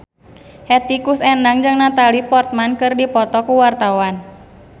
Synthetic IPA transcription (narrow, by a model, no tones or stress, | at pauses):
hɛt̪ikusɛndaŋd͡ʒɨŋnat̪alipɔrt̪̚mankɨrdipɔt̪ɔkuwart̪awan